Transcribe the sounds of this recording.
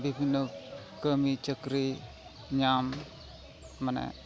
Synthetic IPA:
biknək | kːəmit͡ʃəkɾi | ɲam | manɛ̰

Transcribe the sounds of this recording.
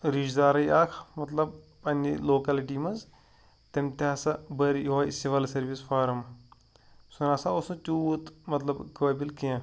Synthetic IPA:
ɾid͡ʒd̪aːɾɐjaːkʰmɐt̪lɐbpɐnʲiloːkaːlʈiːmɐz | t̪ɐmt̪iaːsɐbɐɾjaːisiʋɐːlsɐɾʋisfaːɾɐm | sunaːsaosũt͡ʃuːt̪mɐt̪lɐbkɐʋɐːbilkijã

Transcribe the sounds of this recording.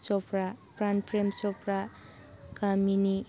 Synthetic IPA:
sɔpʰɾapɾanpʰɾemsɔpɾa | kamini

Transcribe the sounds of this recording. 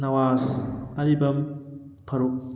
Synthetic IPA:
nɐwaːsɐɾibɐm | pʰɐɾuk̚

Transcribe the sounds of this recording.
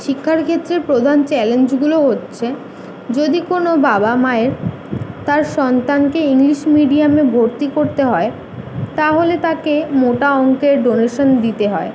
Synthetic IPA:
ʃikʰːaɾkʰet̪ːɾeɾpɾod̪ʱant͡ɕɛlend͡ʑɡuloɦotːɕʰe | d͡ʑod̪ikonobabamaeɾ | t̪aɾʃɔnt̪ankeiŋliʃmiɖiamebʱoɾt̪ikoɾt̪eɦɔe | t̪aɦolet̪akemoʈaɔŋkeɾɖoneʃond̪it̪eɦɔe

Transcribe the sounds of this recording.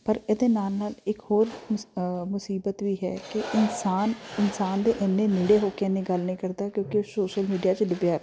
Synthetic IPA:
pəɾɪd̪eːnaːlnaːlɪkhoːɾ | mʊsiːbət̪ʋiːɦɛ̰ːkɪɪnsaːnɪnsaːnd̪eːʔɛnːẽːnɪɽeːɦoːkeenĩːɡəlnĩːkəɾd̪aːkjõːkesoːʃəlmiːɖijaːt͡ʃləbjaːɾ

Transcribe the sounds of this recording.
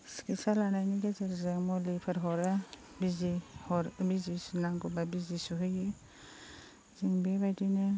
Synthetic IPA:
skisalanajniɡazaɾzemɔlipʰaɾɦɔɾa | bizihɔɾbizisunaŋɡɔbabizisuɦɯjɯ | ziŋbebajdinɯ

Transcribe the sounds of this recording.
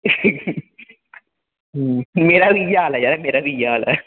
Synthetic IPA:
mɪɾɐʋijaːlɐjaɾɐmɪɾɐʋijːaːlɐ̰

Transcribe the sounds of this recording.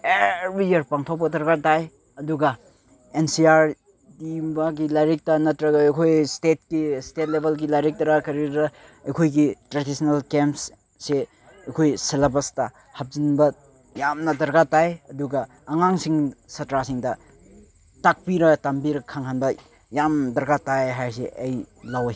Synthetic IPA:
eɾijɐɾpaŋtʰawbɐdɐɾɡataj | ɐduɡɐ | ensiaɾ | dimbɐɡilajɾik̚tɐnɐtɾɐɡɐɐjkʰojstet̚kistet̚lebʱelɡilajɾik̚tɐɾakɐɾiɾɐ | ɐjkʰojɡitɾadisnɐlkemps | se | ɐjkʰojselabɐstɐ | hɐp̚zinbɐ | jamnɐdɐɾɡatajɐduɡɐː | ŋaŋsiŋsɐtɾasiŋdɐ | tak̚piɾɐtambiɾɐkʰaŋhʰanbɐ | jamdɐɾɡatajɦajsḛʔɐjlawaj

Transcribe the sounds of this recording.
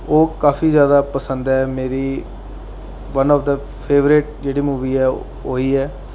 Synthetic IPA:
oːkaːfʰiːzjaːd̪aːpəsənd̪ɛːmeːɾiː | ʋənɔːfd̪ə | pʰeːʋɾɪʈ̚d͡ʒeːɽiːmuːʋiːɛː | oːiːɛː

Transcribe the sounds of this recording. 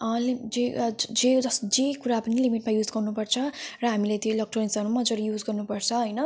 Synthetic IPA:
ʌlid͡zed͡zed͡zʌsd͡zekuɾapʌnilimiʈmajud͡zɡʌrnupʌrt͡sʰʌrʌɦamilajt̪jolʌk̚ʈonisʌɾumʌd͡zoɾijud͡zɡʌrnupʌrt͡sʰʌɦʌjnʌ

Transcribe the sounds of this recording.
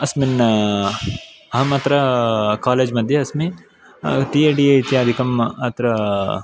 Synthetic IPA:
ɐsmin | ɐɦɐmɐt̪ɾɐkaːleːd͡ʒmɐd̪ʱjɐɐsmĩ | ʈiːeːɖiːet̪jaːɐd̪ʱikɐmɐt̪ɾɐ

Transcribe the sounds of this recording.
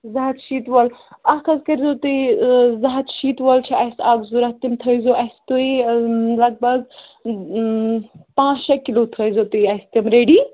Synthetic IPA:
zɐɦɐt̪ʃiːt̪ʋɐlɐkʰɐzkɐɾzot̪ɨizɐɦɐt̪ʃiːt̪ʋəlt͡ʃʰiɐjsaːɡzuɾɐt̪imt̪ʰəjzoʔɐst̪uilɐɡ̚bɐɡ | pãːt͡ʃɐkilot̪ʰəjzot̪ujɐst̪imɾeːɖiː

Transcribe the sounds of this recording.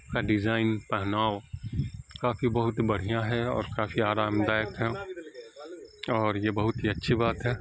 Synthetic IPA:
kaɖɪzaːɪnpɛɦnaːʊ | kaːfibɐɦʊt̪bɐɽ̤ijãɦɛɔ̰ːɾkaːfiaːɾaːmd̪aːjəkɦɛ̃ | ɔːɾjebɐɦʊt̪ɦiɐtːʃʰibaːt̪ɦɛː

